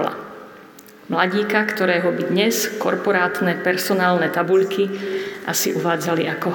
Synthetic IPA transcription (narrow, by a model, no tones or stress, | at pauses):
la̰ | mlaɟiːkakt̪ɔɾɛːɦɔbid̪ɲɛskɔɾpɔɾaːt̪nɛpɛɾsɔnaːlnɛt̪abuʎkʰiʔasiʔuʋaːd͡zaliʔakɔ